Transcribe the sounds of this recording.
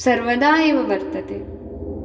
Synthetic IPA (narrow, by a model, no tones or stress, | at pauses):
sɐɾʋɐd̪aːjeʋɐʋɐɾt̪ɐt̪e